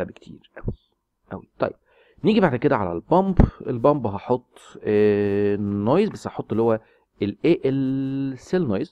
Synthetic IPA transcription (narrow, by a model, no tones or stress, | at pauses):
æbkt̪ʰḭːɾʔæwi | ʔæwit̪ˤɑ̰jːeb̥̚ | niːɡibaʕd̪ked̪æʕa̰læ̰lbɑmbelbɑmbɦɑħot̪ˤː | nːojzbæsːhɑħot̪ˤːelːihowːæ | elʔeːʔelselnojez